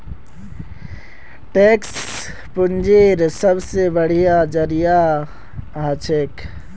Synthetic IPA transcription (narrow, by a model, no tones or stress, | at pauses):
ʈeks | pʊnd͡ʒeːɾsəbsebəɽ̤ijad͡ʒəɾija | ɦət͡ʃʰek